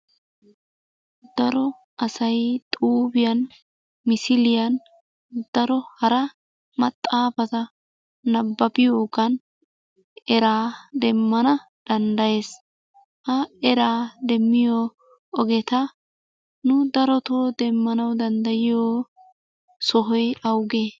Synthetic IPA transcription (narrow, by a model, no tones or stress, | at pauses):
d̪̥ɐɾɔ | ɐsɐjt̪ʼuːbɪjɐn | mɪsɪlɪjɐn | d̪̥ɐɾɔhɐɾɐ | mɐt̪ʼːaːfɐt̪ɐ | nɐbːɐbɪjoːɡɐn | ɛɾaːd̪ɛmːɐnɐ | d̪̥ɐnd̪ɐje̞ːs | hɐɛɾaːd̪ɛmːɪjo | ɔɡɛt̪ɐ | nʊd̪ɐɾɔt̪oːd̪ɛmːɐnɐwd̪ɐnd̪ɐjɪjoː | sɔɦɔjɐwɡe